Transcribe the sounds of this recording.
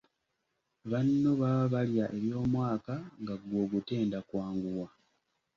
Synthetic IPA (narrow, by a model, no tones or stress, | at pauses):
βanːo̞βaβaljaʔe̞βjo̞ːmwaːkaŋɡaɡwo̞ːɡute̞ːndakwaːŋɡuwa